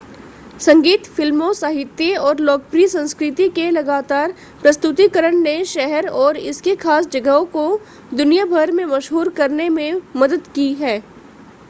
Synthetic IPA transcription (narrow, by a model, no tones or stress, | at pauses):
sɐ̃ŋɡiːt̪fɪlmõsaːɦɪt̪jəɔːɾlɔːk̚pɾisɐ̃nskɾɪt̪ikelɐɡaːt̪aːɾ | pɾɐst̪ʊt̪ikəɾəɳneʃɛɦɛɾɔːɾɪ̰skexʰaːsd͡ʒɐɡəɦõko | d̪ʊnijabʱəɾmẽmɐʃɦuːɾkɐɾnemẽmɐd̪əd̪kiɦɛː